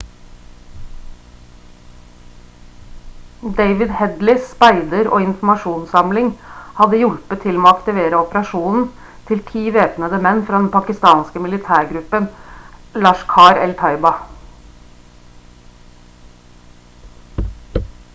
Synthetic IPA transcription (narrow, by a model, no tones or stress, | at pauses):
d̪æɪʋɪd̪hɛd̪lɪspæɪd̪əɾo̰ːɪnfm̩ɑʃuːnsɑmlɪŋhɑd̪əjʊlpət̪ʰɪlmoːɑkt̪ɪʋeːɾəɔpəɾɑʃuːnn̩ | t̪ʰɪlt̪ʰiːʋeːpnəd̪əmɛnːfɾɑːd̪ɛnpʰɑkɪst̪ɑːnskəmɪlɪt̪ʰæːɾɡɾʉpənlɑːʃkʰɑːɾɛlt̪ʰɑɪbɑ